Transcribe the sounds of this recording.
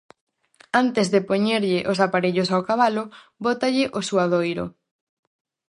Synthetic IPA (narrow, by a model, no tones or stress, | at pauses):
ant̪ezðɪpoɲeɾʎɪʔos̬apaɾeʎos̬awkaβalʊ | bot̪aʎɪʔosuaðojɾʊ̰